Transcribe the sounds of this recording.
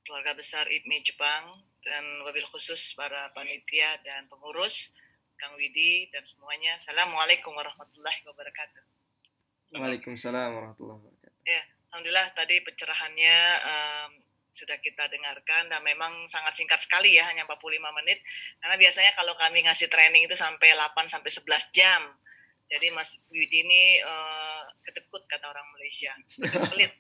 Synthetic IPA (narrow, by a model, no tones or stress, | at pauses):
kəluarɡabəsarʔḭmid͡ʒəpaŋ | danwabɪlkusʊspaɾapanit̪iadanpəŋuɾʊs | kaŋwididansəmuaɲasalamualekʊmwaɾɑhmat̪ulːahiwabəɾakat̪u̥ | salekumsalamwaɾɑhmat̪ṵlːɑ̰hbaɾakaija | lhamdulilaht̪adipət͡ʃəɾaɦanɲaəm | sudahkit̪adəŋarkandanmemaŋsaŋat̪̚siŋkat̪̚sə̥kalijahaɲampat̪̚pululimamənɪt̪̚karnabiasaɲakalowkamiŋasɪht̪ɾenɪŋit̪usampejlapansampɛjsəbəlasd͡ʒam | d͡ʒadimasɪ̥iwidiniəkədəkʊt̪̚kat̪aoɾaŋmalajsia | bəkpəlɪt̪̚